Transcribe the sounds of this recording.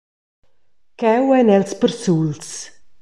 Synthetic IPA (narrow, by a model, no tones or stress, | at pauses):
kɛwɛnɛlspəɾsuls